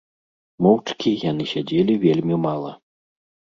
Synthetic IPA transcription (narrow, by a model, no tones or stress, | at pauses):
mɔwt͡ʂkʲijanɨsʲad͡zʲelʲivʲelʲmʲimalˠɐ